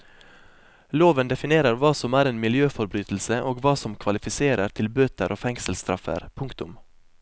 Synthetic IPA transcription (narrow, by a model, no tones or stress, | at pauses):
loːʋənd̪ɛfɪneːɾəɾʋɑːsɔmæːɾeːnmɪljøːfɔɾbɾyːt̪l̩səʔoːɡʋɑːsɔmkʰʋɑlɪfɪseːɾəɾt̪ʰɪlbøːt̪əɾoːfɛŋsəlst̪ɾɑ̰fə̰ɾpʰʊŋkt̪ʊm